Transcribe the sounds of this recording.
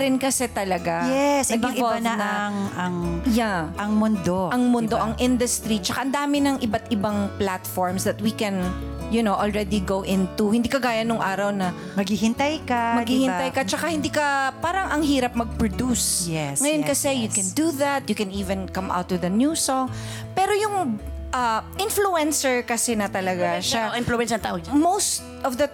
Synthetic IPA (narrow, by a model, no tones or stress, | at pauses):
ɾɪnkɐsɛt̪ɐlɐɡajɛsɐɡaɪŋɪonanaɐŋjaʔɐŋmʊnd̪oʔɐŋmʊnd̪oʔɐŋʔɪnd̪ɐst̪ɾit͡ʃɐkaʔɐnd̪aːmɪnɐŋʔɪbat̪ʔɪbaŋplat̪fɔɹmsd̪ɐt̪̚wikɛn | jʊnowʔɔlɹɛd̪iɡowʔɪ̃nt̪uhɪnd̪iːkɐɡaːjɐnʊŋʔaːɾɐwnɐ | mɐɡhihɪnt̪ɐjkɐmɐɡhiːhɪ̃nt̪ajkɐt͡ʃɐkahɪ̃nd̪iːkɐpaːɾɐŋɐŋɦiːɾɐp̚mɐɡ̚pɹɔd̪usjɛsŋɐjonkɐsɛjʊkɛnd̪uðat̪̚jʊkɛ̃niːvɛ̃nkɐmʔa̰wt̪ːʊðɐnjusɔŋ | pɛːɾojʊŋʔɐʔɪ̃nfluɛnsɛɹkɐsɛnɐt̪ɐlɐɡaʃaɪnfluɛnsɐt̪a̰ːʔod͡ʒmowst̪ | ʔɔvðɐ